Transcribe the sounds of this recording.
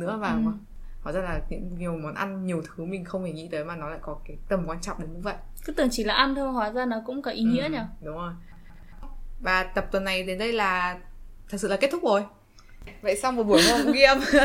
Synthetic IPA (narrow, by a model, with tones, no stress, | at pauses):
nɨ̰˧˥əvaː˨˩˨ | haː˧˩zaː˧laː˨˩ɲɨ̰˧˥ŋɲi˨˩ə˩wmɔ˨˦nʔa˧nɲi˨˩əwt̪ʰɨ˨˦mï˨˩ŋ̟xə˧wŋ͡mt̪ʰe˧˩ŋḭ˧˥t̪əː˨˦jmaː˨˩nɔ˨˦la̰ː˧˨kɔ˨˦kaː˨˦t̪ə˨˩mkwaː˧nt͡ɕɔ̰˧˨ŋ͡mɗe˨˦nɲɨ˧və̰˧˨jkɨ˨˦t̪ɨ˨˧˩əŋt͡ɕi˧˩laː˨˩ʔa˧nt̪ʰm˨˩ɦwaː˨˦zaː˧nɔ˨˦kʊ̰˧˥ŋ͡mkɔ˨˦ʔi˨˦ŋḭ˧˥əɲaː˧˩ɗʊ˨˦ŋ͡mzo˨˩j | vaː˨˩t̪ə˨˩p̚t̪wə˨˩nːa˨˩jɗe˨˦nɗə˧jlaː˨˩t̪ʰɨ˨˩sɨ̰˧˨lːe˦˥t̪̚ʰʊ˦˥k͡p̚zo˨˩j | və̰˧˨jsa˧wŋ͡mmə˨˩ɓu˧˩əjmo˧ɣi˧ə˧m